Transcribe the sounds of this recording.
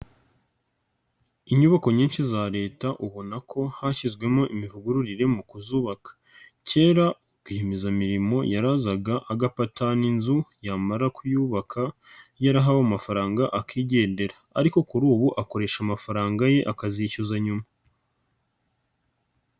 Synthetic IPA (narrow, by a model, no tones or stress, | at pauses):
iɲuβako̞ɲiːnʃizaɾe̞ːtaʔuβo̞nakʰo̞haçizɡwe̞mo̞ʔimivuɡuɾuɾiɾe̞mukuzuːβakḁ | ce̞ːɾa | ɡuhemizamiɾimo̞̰jaɾazaɡaʔaɡapatʰaninzujamaɾakujuβakʰajaɾaɦawomafaɾaːŋɡaʔakiːɟe̞ːnde̞ɾaːɾiko̞kuɾuːβuʔako̞ɾe̞ʃamafaɾaːŋɡaje̞ʔakaziicozaɲuma